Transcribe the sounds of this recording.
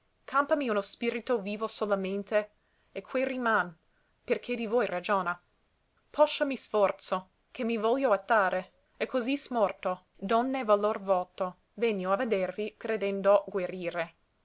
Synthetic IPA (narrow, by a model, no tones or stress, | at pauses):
kʰampamiunospiɾit̪oviːvosolament̪e | ekʰweriman | perkʰed̪ivojrad͡ʒoːna | pʰɔʃːamisfɔrt̪so | kʰemːivɔljoat̪ːaːɾʔe | ekʰːozismɔrt̪o | d̪ɔnːevalorvɔːt̪o | veɲːoaved̪ervikɾed̪ɛnd̪oɡweɾiːɾe